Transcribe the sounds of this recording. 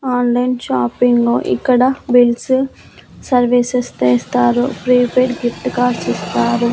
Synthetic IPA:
aːnlɐjnʃaːpiŋɡlo̞ːʔḭkːɐɽɐbils | sɐɾʋisest͡ʃ̪ɛːst̪aːɾupɾiːpeʈɡifʈkaːɾsist̪aːɾu

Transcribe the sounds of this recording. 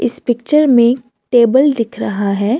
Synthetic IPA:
ɪspɪk̚t͡ʃəɾmẽ | ʈeːbəld̪ɪkʰɾɐɦaɦɛː

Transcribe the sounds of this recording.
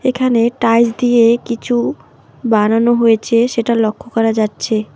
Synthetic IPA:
ekʰaneʈajd͡ʑd̪ijekit͡ɕʰu | bananoɦojet͡ɕʰeʃeʈalokʰːokɔɾad͡ʑatːɕʰe

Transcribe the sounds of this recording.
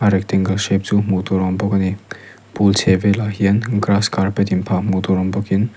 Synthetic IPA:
aɾek̚teŋɡɐlsep̚d͡ʒumutɔɾɔmbɔkɐni | pulsʰebelaɦiɐnɡɾaskaɾpetimpʰamutɔɾɔmbɔkin

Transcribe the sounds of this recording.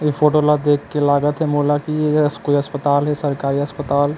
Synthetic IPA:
jefʰoːʈoːlad̪eːkʰːelaːɡət̪ɦɛmoːlakijeskoiɐspət̪aːlɦɛsɐɾkaːɾiɐspət̪aːl

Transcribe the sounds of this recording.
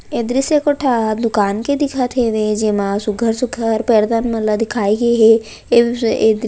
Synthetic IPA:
eːd̪ɾisekoʈʰad̪ʊkaːnked̪ɪkʰat̪ʰeʋed͡ʒemãsuɡʱəɾsukʰəɾpeːɾd̪anmɐlad̪ɪkʰaːiɡɐeɦɛ | eed̪

